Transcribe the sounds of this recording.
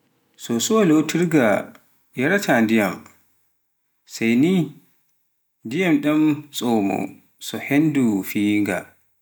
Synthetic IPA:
sɔsɔlowtʰiɾɡa | jaɾatʰandijam | sajni | dɪjamɗɔnsʼɔːmɔ̰ | sɔhɛndufiŋɡa̰

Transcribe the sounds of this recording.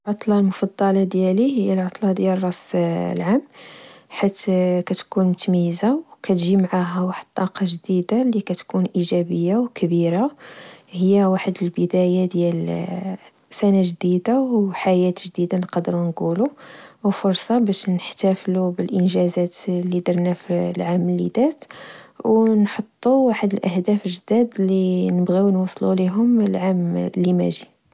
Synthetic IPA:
ʕot̪ˤlɑlmʊfɑd̪ˤːɑlɑd̪jæliɦəjːalʕot̪ˤlɑd̪jælrˤːɑslʕamːħit̪kæt̪kunmʊt̪mizawkæt̪ʒimʕaɦæwaħəd̪̚t̪ˤːɑqɑʒd̪id̪alikæt̪kunʔiʒæbəjːawkʰəbiɾahəjːawaħəd̪əlbəd̪æjad̪jæl | sænaʒd̪id̪awħajæt̪ʒd̪id̪alqɑd̪ɾunɡuluwfʊɾsˤɑbæʃnəħt̪æflubəlʔənʒæzæt̪lid̪ɑɾˤnæflʕamlːid̪æt̪wnħot̪ˤːuwaħəd̪əlʔəhd̪æfəʒd̪æd̪linəbɣiwnwɑsˤluliɦʊmlʕamlːimæ̰ʒi

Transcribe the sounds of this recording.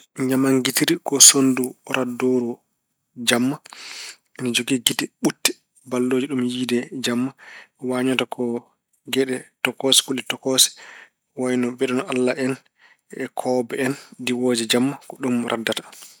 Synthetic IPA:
ɲamaŋɡitiɾikɔsonduɾʔadoɾu | d͡ʒamːa | nid͡ʒoɡiɡitɛɓutːɛ̥ | balːoːd͡ʒiɗumjidɛd͡ʒamːawaɲatakʰɔ | ɡɛɗɛtɔkɔsɛ̥kuɗitɔkɔsɛ̥ | wajnɔbɛɗɔnɔʔalːaʔɛn | ɛkʰɔbɛɛndiwoːd͡ʒɛd͡ʒamːakɔɗumɾʔa̰dːatḁ

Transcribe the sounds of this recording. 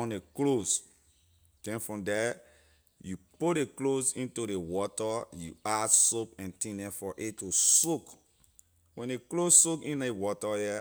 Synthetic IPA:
ɔ̃neklos | kɛ̃mfɹɔ̃mdɛ | jupodeklozĩntudewɔtəjṵassopɛ̃ntĩnɛfɔʔetusuk | wɛ̃neklozsukĩnawɔtəjɛ

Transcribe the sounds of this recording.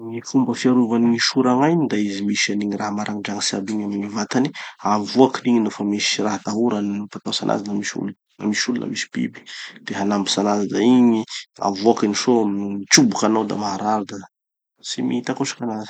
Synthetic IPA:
mifumbəfiaɾuvanimiʃuɾaŋajɲid̪aizimiʃaniɲiraɦmaɾaŋiɳɖ͡ʐaŋasiabiɲamiivat̪aniavuakiriɲinofəmisiraɦad̪aɦuɾanipat̪asa̰nʔa̰zanamisṵlun | na̰misulunə̰misi̥b̥ḭbi̥d̪̥eɦanambu̥sanazad̪aiɲia̰vuakiniʃomit͡ʃubukanawd̪a̰maɦaɾaɾid̪a | simḭɦit̪akosḁkanaz̥

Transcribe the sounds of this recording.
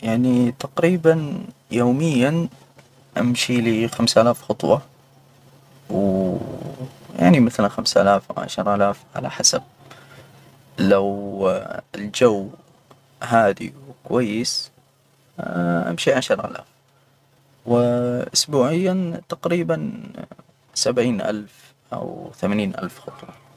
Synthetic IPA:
jaʕnit̪aqɾiːbanjoːmɪjːan | ʔa̰mʃilixamsʔalaːfxʊt̪ˤwɑ | w | ja̰ʕnimɪθlaxamsʔa̰laːfʔawʕa̰ʃɑɾˤʔalaːfʕa̰la̰ħasab̚ | law | ɪld͡ʒawː | haːd̪ḭwkwajːɪs | ʔa̰mʃiʕaʃɑɾˤʔa̰la̰ːf | wɪʔʊsbuːʕɪjːat̪ɑqɾiːban | sabʕiːnʔa̰lf | ʔa̰wθamaniːnʔa̰lfxʊt̪ˤwɑ

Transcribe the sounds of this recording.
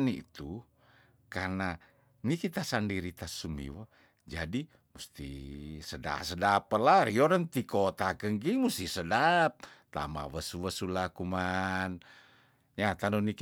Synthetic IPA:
niḭt̪u | karna | nikit̪asandiɾit̪asumḭwə | d͡ʒadi | must̪ḭsəda̰sədapəlaɾioɾənt̪ikot̪akəŋɡimust̪isədap̚t̪a̰ma̰wəsuwəsulakuman | ɲat̪anunik

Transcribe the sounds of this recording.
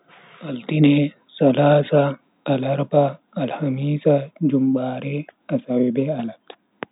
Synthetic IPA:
ʔɐlt̪ɪneː | sɐlaːsa | ʔɐlɐɾbaː | lhɐmiːsɐd͡ʒʊmɓaːɾeːɐsɐwɛbeːɐlɐt̪ːɐ̥

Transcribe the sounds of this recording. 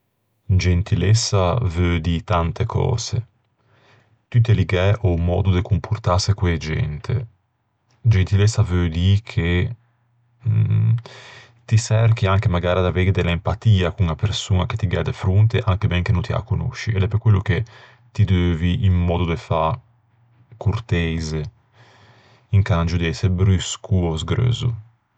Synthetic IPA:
d͡ʒent̪ʰilɛsːavød̪it̪ant̪ʰekʰɔ̰ːz̥e | t̪yt̪eliɡɛʔɔmɔ̰ːd̪od̪ekumpʰurt̪asekwed͡ʒɛ̰nt̪ʰe | d͡ʒent̪ilɛsːavød̪ikʰe | t̪isɛrk̟iaŋkemaɡaːɾad̪avɛːɡd̪elɛmpat̪iːakuŋapeɾsuːnake̥t̪iɡɛd̪efɾunt̪eʔaŋkebɛŋkenũt̪ia̰kːono̰ʃiɛ̰d̪ɛpːekːwelːuk̟e | t̪id̪øːviʔimmɔːd̪ud̪efa | kʰuɾt̪ɛze | iŋkand͡ʒud̪ɛsebɾyskʰuosɡɾø̰ːzṵ

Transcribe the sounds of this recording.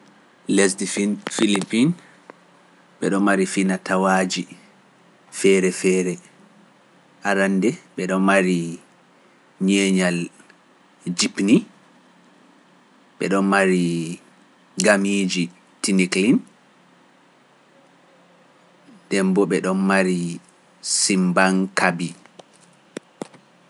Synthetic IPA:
lesdinfilipin | ɓɛ̰ɗɔnmaɾifinatʰawaːd͡ʒi | fɛɾɛfɛːɾɛ | ʔaɾandɛɓɛɗɔnmaɾi | ɲɛːɲal | d͡ʒipni | ɓɛ̰ɗɔnmaɾi | ɡamid͡ʒi | tiniklin | d̥ɛmbɔɓɛɗɔnmaɾi | simbaŋkabi

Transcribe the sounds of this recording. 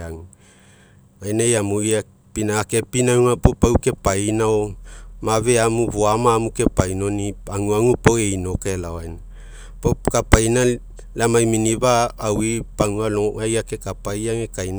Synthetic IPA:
aŋ | ajnajamuja | pinaːkepinaŋuapopawke̞pajnaomaβe̞amuβoamaːmuke̞pajno̞niaŋuaŋupawejno̞kelawajna | pokapajna | lamajminibaːwipaŋualoajakekapajaŋekajn

